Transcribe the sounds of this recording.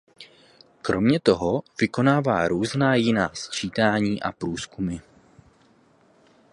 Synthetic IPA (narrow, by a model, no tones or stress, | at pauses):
kɾo̞mɲɛt̪o̞ɦovɪko̞naːva̰ːɾuːznaːjɪnaːst͡ʃiːt̪aːɲiːʔa̰pɾuːskumɪ